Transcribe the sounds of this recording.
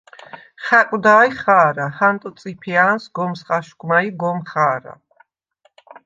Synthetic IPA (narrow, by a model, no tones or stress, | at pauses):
χakʼwd̪aːjχaːɾahant̪ʼɔt̪sʼipʰiansɡɔmsχaʃɡmaiɡɔmχaːɾa̰